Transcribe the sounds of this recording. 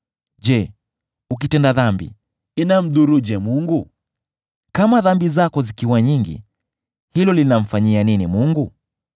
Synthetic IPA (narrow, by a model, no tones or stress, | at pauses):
ʄɛ | uk̬itɛndaðambḭ | inam̩ɗuɾuʄɛmuŋɡu | kamaðambizakɔzikiwaɲiŋɡḭ | hilɔlinam̩faɲianinimuŋɡu